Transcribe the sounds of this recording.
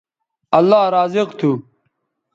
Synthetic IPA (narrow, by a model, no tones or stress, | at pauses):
ɐlːaːɾaːzɪqt̪ʰu